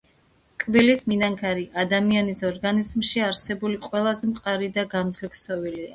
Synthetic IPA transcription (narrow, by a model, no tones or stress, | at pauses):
kʼbilisminaŋkʰaɾiʔad̪amianisɔɾɡanizmʃiaɾsɛbuliqʼwɛlˠazɛmqʼaɾid̪aɡamd̪zlɛksɔvilia